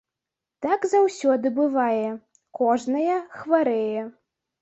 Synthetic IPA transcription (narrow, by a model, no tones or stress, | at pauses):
t̪aɡzawsʲɔd̪ɨbɨvajɛ | kɔʐnɐjɛxvaɾɛjɛ